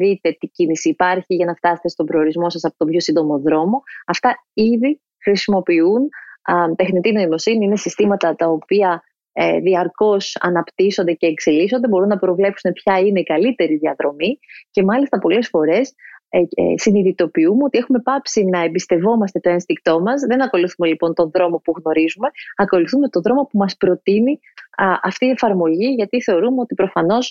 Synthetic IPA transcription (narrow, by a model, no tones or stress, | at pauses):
ðit̪e̞t̪icinisiːpɐɾçiʝɐnɐft̪ɐse̞t̪e̞st̪obɾe̞oɾizmo̞sɐsɐpo̞t̪obço̞sind̪o̞mo̞ðɾo̞mo̞ɐft̪ɐiði | xɾisimo̞piunt̪e̞xnit̪ino̞imo̞siniinesist̪imɐt̪ɐt̪ɐo̞piɐ | ðiɐɾko̞sɐ̰nɐpt̪iso̞nd̪e̞ce̞ːkseliso̞nd̪ebo̞ɾunːɐpɾo̞vle̞psune̞pçɐine̞ikɐlit̪e̞ɾiðiɐðɾo̞mice̞mɐlist̪ɐpo̞le̞sfo̞ɾe̞s | siniðit̪o̞piumeo̞t̪ie̞xume̞pɐpsinɐembist̪e̞vo̞mɐst̪e̞t̪o̞enst̪ik̚t̪o̞mɐzðe̞nɐko̞luθume̞lipo̞nt̪o̞nðɾo̞mo̞puɣno̞ɾizume̞ɐko̞luθume̞t̪o̞ðɾo̞mo̞pumɐspɾo̞t̪ini | ʔɐft̪iːe̞fɐɾmo̞ʝiʝɐt̪iθe̞o̞ɾumeo̞t̪ipɾo̞fɐno̞s